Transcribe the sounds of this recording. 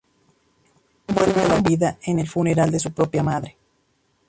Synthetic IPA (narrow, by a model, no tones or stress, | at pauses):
bwelβalaβiðaenelfuneɾald̪es̬upɾo̞pjamaðɾe